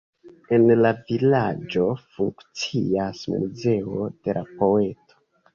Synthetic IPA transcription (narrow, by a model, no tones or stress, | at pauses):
e̞nlavilad͡ʒo̞fuŋkt͡siasmṵze̞o̞d̥e̞lʔapo̞e̞to̥